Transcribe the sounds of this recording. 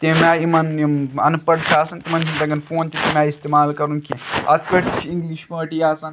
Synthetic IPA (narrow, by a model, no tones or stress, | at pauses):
t̪emaimɐniɐ̰npɐɽt͡ʃʲʰaːsɐnt̪emɐnd͡ʒʰimd̪ɐɡɐnfoːnt̪et̪imʲaːist̪emaːlkɐɾunkʰĩɐ̰t̪ʰpʲeʈt͡ʃʰiiŋɡliʃpɐːʈijaːsɐn